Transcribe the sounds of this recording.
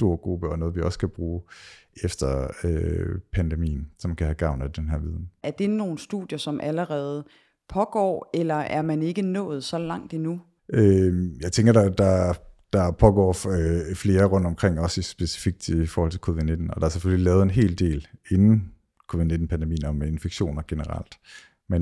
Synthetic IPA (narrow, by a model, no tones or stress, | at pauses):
sd̥o̝ɐ̰ɡ̥ʁub̥əɒ̽nɔ̽ːð̞̩ˠʋiɒ̽skʰæb̥ʁuːefd̥ɐøpʰænd̥emḭːn̩sɒ̽mænkʰæhæɡ̥ɑ̈ʊnæd̥enɦæɐʋiːð̞ˠæɐd̥e̝no̝ːn̩sd̥ṵðˠjɐsɒ̽mʔæləʁɛːð̞̩ˠə | pʰɒ̽ɡ̥ɒ̰ːelɐæɐmæne̝ɡ̥ənɔ̰̽ːð̞̩ˠsɒ̽lɑ̈ŋ̰d̥inu | ʔøjɑ̈ɪt͡sʰeŋɡ̥ɐdɑ̈d̥ɑ̈d̥ɑ̈pʰɒ̽ɡ̥ɒ̰ːfle̝ːɐʁɔ̽n̰d̥ɒmkʰʁeŋ̰ɒ̽sisb̥e̝si̥fiɡ̥̚d̥ifɒɔːhɒ̽lt͡sʰe̝kʰo̝ːʋiðˠne̝d̥n̩ɒd̥ɑ̈æɐsefølilɛːʊð̩ˠe̝nɦe̝̰ːld̥e̝̰ːle̝nn̩ | kʰo̝ːʋið̩ˠne̝d̥n̩pʰænd̥emḭːn̩ɒme̝nfeɡ̥ɕo̝̰ːnɐɡ̥e̝nəʁɑ̰l̰d̥ | men